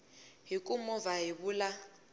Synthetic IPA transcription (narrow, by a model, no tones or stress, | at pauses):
ɦikʼumɔvaɦiβula